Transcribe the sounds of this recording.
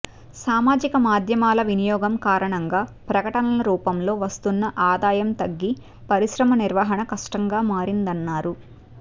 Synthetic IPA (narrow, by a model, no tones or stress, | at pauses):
saːmaːd͡ʒikɐmaːd̪ʱjɐmaːlɐʋinijɔːɡɐmkaːɾɐɳɐŋɡaːpɾɐkɐʈɐnɐlɐɾuːpɐmlo̞ːʋɐst̪unːɐʔaːd̪aːjɐmt̪ɐɡːi | pɐɾiʃɾɐmɐniɾʋaɦɐɳɐkɐʂʈɐŋɡaːmaːɾind̪ɐnːaːɾu